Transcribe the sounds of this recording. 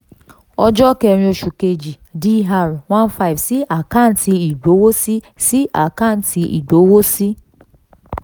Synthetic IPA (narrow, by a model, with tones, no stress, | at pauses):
ɔ˧d͡ʒɔ˦kɛ˧ɾĩ˧o˧ʃu˨ke˧d͡ʒi˨ | di˦ɦa˧ɾwã˦nfa˦˨vsi˦a˨kã˦˨n˦ti˧i˨ɡ͡bo˨˦wo˦si˦ | si˦a˨kã˦˨n˨ti˧ḭ˨ɡ͡bo˨˦wo˦si˦